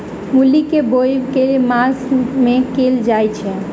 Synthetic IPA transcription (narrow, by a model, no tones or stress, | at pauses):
mulikebojkemasmekeld͡ʒajt͡ʃʰɛ